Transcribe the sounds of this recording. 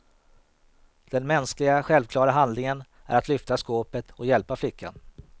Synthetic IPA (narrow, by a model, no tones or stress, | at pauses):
d̪̥ɛnmɛnsklɪɡaɧɛlvkʰlɑːɾaɦand̪lɪŋən | ʔæ̰ɾat̪lʏft̪askoːpət̪ɔjɛlpaflɪkːa̰n